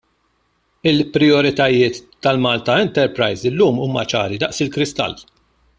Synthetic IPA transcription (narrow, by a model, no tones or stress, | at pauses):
ɪlpɾɪɔɾɪt̪ɐjɪːt̪ːɐlmɐːlt̪ɐɛnt̪ɛɾpɾɐjzɪlːuːmuːmɐt͡ʃɐ̰ːɾid̪ɐʔsɪlkɾɪst̪ɐ̰lː